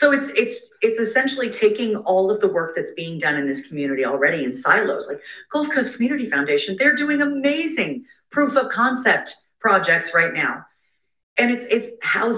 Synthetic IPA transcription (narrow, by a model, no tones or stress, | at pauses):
soʊɨtsɪts | ɨtsɨsɛ̃nʃl̩ˠitʰeɪkɪ̃ŋɔlˠʌvðəwɜ˞k̚ðɨtsb̥iɪ̃ŋdʌ̃nɨ̃nðɪskʰm̩jʉñɨɾil̩ˠɹɛɾiɨ̃nsaɪlo̰ʊz̥laɪkɡ̥oʊlˠfkʰoʊskʰm̩jʉñɨɾifãʊ̃ndeɪʃɨ̃n̩ðə˞dʉɪ̃ŋɨmeɪzɪ̃ŋ | pʰɹ̥ufʌv̥kʰɑ̃nsɛp̚t̚ | pʰɹ̥ɑd͡ʒɛk̚tsɹaɪtⁿnaʊ | ɨ̃nɨtsɪtshaʊz